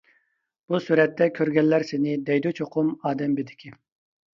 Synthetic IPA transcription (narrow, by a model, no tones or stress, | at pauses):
b̥usuɾɛt̪ːɛkʲʰøɾɡʲɛlːæɾsɪnɪd̪ɛjd̪ut͡ʃʰoqʰʊmɑːd̪ɛmbed̪ɪ̥kʲʰi